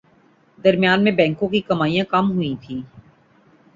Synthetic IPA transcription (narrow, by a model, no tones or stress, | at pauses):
d̪ɐɾmjaːnmẽbɛ̃ːŋkõkikɐmaːijãkɐmɦʊit̪ʰĩː